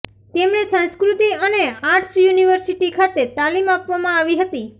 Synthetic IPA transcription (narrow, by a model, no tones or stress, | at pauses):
t̪emnesə̃nskɾut̪iəneaʈʰsjuniʋəɾsiʈikʰat̪et̪alimapʋamãaʋiɦət̪i